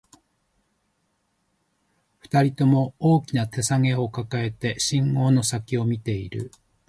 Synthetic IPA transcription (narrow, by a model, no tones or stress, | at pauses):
ɸɯ̥t̪aɾʲit̪o̞mo̞oːkʲinat̪e̞saŋe̞o̞kakae̞t̪e̞ɕĩŋɡo̞ːno̞sakʲio̞mʲit̪e̞ḭɾɯ̟̰